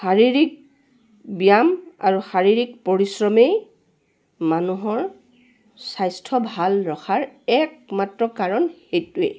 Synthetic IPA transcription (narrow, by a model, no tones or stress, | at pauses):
xaɹiɹik̚ | bijama̰ɹuxaɹiɹik̚poɹisɹɔmej | manuɦɔɹ | sajstʰɔbʱalɹɔxʰaɹɛk̚matɹɔkaɹɔnhejtuḛ